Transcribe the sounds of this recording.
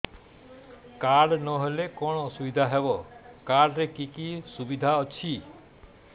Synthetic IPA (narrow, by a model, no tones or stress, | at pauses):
kaɽnɔɦelekɔɽ̃ɔsubid̪ʱaɦebɔkaɽɾekikisubid̪ʱaɔt͡ʃʰi